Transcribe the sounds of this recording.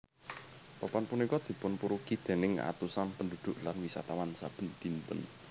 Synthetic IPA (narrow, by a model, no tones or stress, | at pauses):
papanpunikɔd̪̥i̤pʊnpuɾukid̪̥e̤nɪŋa̰t̪usanpəndṳd̪̥ʊ̤ʔlanwisa̰t̪awansab̥ə̤nd̪̥int̪ə̰n